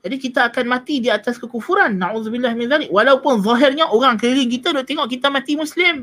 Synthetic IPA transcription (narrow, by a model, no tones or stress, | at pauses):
d͡ʒadikit̪aːkanmãt̪idiat̪askəkufuɾanːaʕuːðubɪlːahmɪnðalɪk̚walawpʊnzˤɔɦɪrɲaʔoɾaŋkəɾɪŋk̬it̪adɔʔt̪eŋɔʔkit̪amãt̪imuslɪm